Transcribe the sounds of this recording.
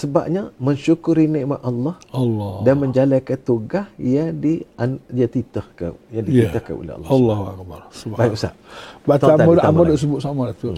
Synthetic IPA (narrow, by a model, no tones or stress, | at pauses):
səba̰p̚ɲaməɲʃukʊɾiniʔmat̪ʔalːɑhɑlːɔdanməɲd͡ʒalakat̪uɡahjadiajat̪it̪əhka̰jadiit̪əhka̰no̰lḛhɑ̰l̰ːlːɔɦak̚barsbbajikusa̰ʔbat̪aamaʔ̪amadɔs̬əbʊt̪samat̪u